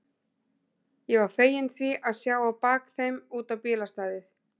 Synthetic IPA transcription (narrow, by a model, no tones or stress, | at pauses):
jɛɣvaɾ̥feːjɪnθiʔaðsjaːwawpaːkθejmuːt̪awpɪːlast̪aːðɪθ